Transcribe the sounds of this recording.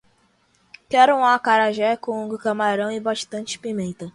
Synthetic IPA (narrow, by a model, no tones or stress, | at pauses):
kɛɾʊ̃akaɾaʒɛkõũɡʊkɐmaɾɐ̃w̃ɪbaʃt̪ɐ̃nt͡ʃɪ̥pimẽnt̪ɐ